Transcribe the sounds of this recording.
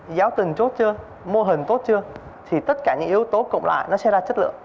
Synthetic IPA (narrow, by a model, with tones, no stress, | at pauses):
zaː˨˦wt̪i˨˩ŋt͡ɕo˦˥t̚t͡ɕɨ˧ə | mo˧əɦï˨˩ŋt̪o˦˥t̚t͡ɕɨ˧ə | t̪ʰi˨˩t̪ə˦˥t̚kaː˧˩ɲɨ̰˧˥ŋʔi˨˦əwt̪o˨˦kʊ̰˧˨ŋ͡mla̰ː˧˨jnɔ˨˦sɛ̰˧˥zaː˧t͡ɕə˦˥t̚lɨ̰˧˨əŋ